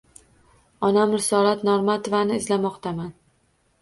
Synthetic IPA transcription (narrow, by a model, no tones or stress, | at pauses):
ɒnamɾɪsɒɾat̪nɒɾmat̪ovanɪɪzlamɒqt̪aman